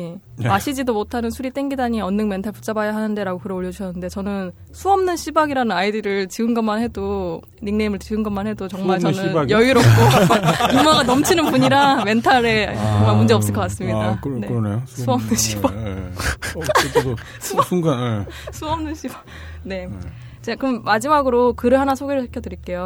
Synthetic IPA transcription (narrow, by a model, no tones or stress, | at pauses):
maɕʰid͡ʑidomotʰanɯnsʰuɾit͈e̞ŋɡidaɲiʌnːɯŋme̞ntʰaɭput͡ɕ͈abajaɦanɯnde̞ɾaɡokɯɾʌoʎjʌd͡ʑuɕʰʌnːɯnde̞t͡ɕʌnɯn | sʰuʌmnɯnɕʰibaɡiɾanɯnaidɯɾɯɭt͡ɕiɯnɡʌmanhe̞do | ɾiŋneimɯɭt͡ɕiɡɯnɡʌnmanhe̞dot͡ɕʌŋmaɭt͡ɕʌnɯnjʌjiɾʌk̚k͈oɯmaɡanʌmt͡ɕʰinɯnpuɲiɾame̞ntʰaɾe̞t͡ɕʌŋmaɭmund͡ʑeʌps͈ɯɭk͈ʌk͈as͈ɯmɲidakneneosʰuʌmnɯnɕʰiba | sʰusʰuŋɡanesʰuʌmnɯnɕʰiba | ne̞ | t͡ɕekɯɯmmad͡ʑimaɡɯɾokɯɾɯɭhanasʰoɡe̞ɾɯɭsʰekʰjʌdɯɾik͈e̞jo